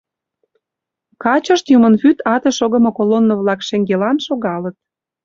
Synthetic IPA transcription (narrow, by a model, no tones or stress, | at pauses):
kɑt͡ɕə̆ʃt̪jumənfyt̪ɑt̪ĕʃoɣə̆mŏkolonːŏvlɑkʃeŋɡelɑnʃoɣɑlət̪̚